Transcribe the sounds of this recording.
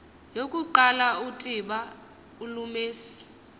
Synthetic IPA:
jokʼuǃalautʼiɓa | ulumeːsi̥

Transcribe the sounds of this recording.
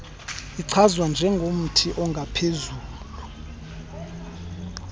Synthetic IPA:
iǀʰazwand͡ʒʱɛŋɡʱom̩tʰiʔɔŋɡʱapʰezuːlu

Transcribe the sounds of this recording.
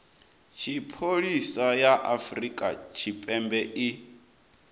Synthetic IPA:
t͡ʃʰipʰoɺisajaʔafrikʼa̰t͡ʃʰipʼɛmbɛʔi

